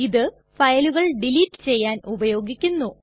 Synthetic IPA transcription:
iðɨ | fɐjɐluɣɐɭɖiliːtːɨ̥t͡ɕe̞jːaːnʔubɐjo̞ːɡikʲːunːu

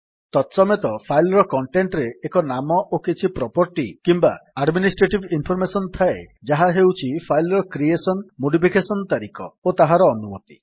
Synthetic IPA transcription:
t̪ɔt̪sɔmet̪ɔpʰajlɔɾɔkɔɳʈeɳʈɾeːkɔnamɔʔokit͡ʃʰipɾɔpɔɾʈikimbaaɖminisʈɾeʈibinpʰɔɾmesɔnt̪ʰaḛd͡ʒaɦaɦewt͡ʃʰipʰajlɾɔkɾiesɔnmoɽipʰikesɔnt̪aɾikɔot̪aɦaɾɔːnumɔt̪i̥̰

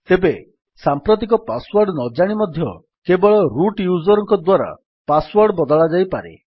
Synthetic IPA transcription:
t̪ebe | sampɾɔt̪̬ik̬ɔpaswaɾɖnɔd͡ʒaɽ̃imɔd̪ʱjɔ̰ | kebɔɭɔɾuʈjuzɔɾɔŋkɔd̪waɾa̰ | paswɔɾɖɔbɔd̪ɔɭad͡ʒajpaɾḛ

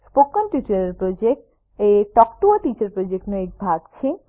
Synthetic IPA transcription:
spokːonʈut͡ɕaɾeɾpɾod͡ʑek̚ʈ | eʈɔkʈuoʈit͡ɕaɾpɾod͡ʑek̚ʈnoek̚bʱaɡ̚t͡ɕʰe

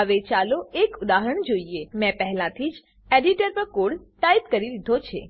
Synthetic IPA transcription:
ɦəʋet͡ʃaloekud̪aɦəɾəɳd͡ʒoiemɛ̃pəɦɛlãt̪ʰid͡ʒ | eɖiʈəɾpəkoɽʈaipkəɾiɾid̪ʱot͡ʃʰḛ

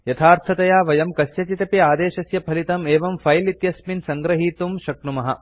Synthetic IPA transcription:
jɐt̪ʰaːɾt̪ʰɐt̪ɐjaːʋɐjɐmkɐsjɐt͡ʃit̪ɐpiaːd̪eːʃɐsjɐpʰɐlit̪ɐmeːʋɐmfʰɐjlit̪jɐsminsɐŋɡɾɐɦiːt̪umʃɐknumɐɦɐ

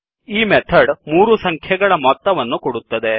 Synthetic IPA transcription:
iːmɛt̪ʰɐɖmuːɾusɐŋkʰjɛɡɐɭɐmɔt̪ːɐʋɐnːukɔɽut̪ːɐd̪e

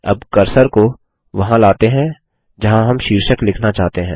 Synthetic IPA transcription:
ɐ̰bkɐɾsəɾko | ʋɐɦãlaːt̪eɦɛ̃ | d͡ʒɐɦãɦɐmʃiːɾʃəklɪkʰnat͡ʃaːɦt̪eɦɛ̃ː

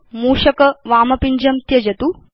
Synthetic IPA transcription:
muːʃɐkɐʋaːmɐpiɲd͡ʒɐmt̪jɐd͡ʒɐt̪u

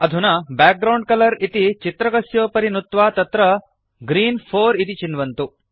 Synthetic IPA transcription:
ɐd̪ʱunabɛːk̚ɡɾɐwɳɖ̚kɐlɐɾit̪it͡ʃit̪ɾɐɡɐsjoːpɐɾinut̪ʋaːt̪ɐt̪ɾɐ | ɡɾiːnpʰoːɾit̪it͡ʃinʋɐnt̪u

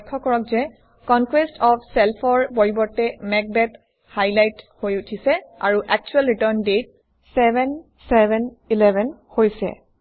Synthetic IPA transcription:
kʰːɔkɔɹɔk̚zɛ | kɔnkwestʰɔpʰsɛlpʰɔɹpoɹibɔɹtɛmɛk̚bɛt | hajlajthojutʰisɛa̰ɹuʔɛk̚t͡ʃuɛlɹitəɹndet̚ | sɛbɛn | sɛbʱɛn | ilɛbʱɛnhojsɛ̰

